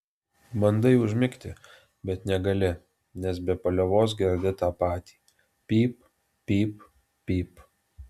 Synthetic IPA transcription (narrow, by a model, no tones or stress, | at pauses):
mɐnd̪ɐɪʊʒʲmʲɪkt̪ʲɪ | bʲɛt̪nʲɛɡɐlʲɪ | nʲɛsbʲɛpɐlʲɛʋoːs̬ɡʲɛɾʲd̪ʲɪt̪ɑːpɑːt̪ʲi̥ː | pʲiːp | pːʲiːp | pʲiːp